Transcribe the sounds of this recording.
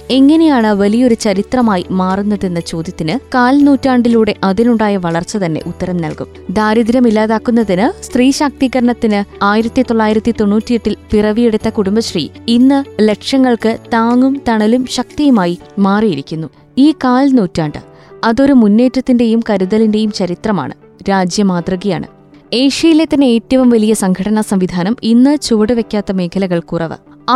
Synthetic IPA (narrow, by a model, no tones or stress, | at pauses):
e̞ŋːɐne̞jaːɳɨʋɐlijɐo̞ɾut͡ɕɐɾit̪rɐmaːjimaːrunːɐðe̞nːɐt͡ɕo̞ːd̪jɐt̪ːinɨkaːlnuːtːaːɳɖiluːɽe̞ʔɐðinuɳɖaːjɐʋɐɭɐrt͡ɕːɐt̪ɐnːe̞̰ʔut̪ːɐɾɐmnɐ̰lkṵm | d̪ʱaːɾid̪iɾɐmilːaːðaːkːunːɐðinɨst̪riːɕaːk̚t̪iɣɐɾɐɳɐt̪ːinɨaːjiɾɐt̪ːit̪o̞ɭːaːjiɾɐt̪ːit̪o̞nːuːtːijeʈːilpirɐʋijeɽut̪ːɐkuɽumbɐɕrḭːinːɨle̞kʂɐŋːɐɭkɨt̪aːŋumt̪ɐɳɐlumɕɐk̚t̪ijumaːjimaːrijiɾikʲːunːu | iːkaːlnuːtːaːɳɖɨ̰ | ɐðo̞ɾumunːe̞ːtːɐt̪ːinde̞jumkɐɾuðɐlinde̞jumt͡ɕɐɾit̪rɐma̰ːɳɨ̰ | ɾaːd͡ʑjɐmaːd̪rɐɣija̰ːɳɨ̰ | e̞ːʂijilet̪ːɐnːeeːtːɐʋumʋɐlijɐsɐŋɡʰʱɐɽɐnɐsɐmʋid̪ʱaːnɐminːɨt͡ɕoːɽɨʋe̞kʲːaːt̪ːɐme̞ːkʰɐlɐɣɐɭkurɐʋɨ̰